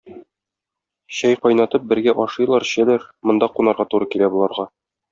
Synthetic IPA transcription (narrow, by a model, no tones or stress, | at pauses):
ɕɒjqɒjnɑt̪ɤp̚bɘ̆ɾɡæʔɒʃɤ̆jlˠɑɾɕælæɾmŏnd̪ɑqunɑɾʁɑt̪uɾɤkilæbulˠɑɾʁɑ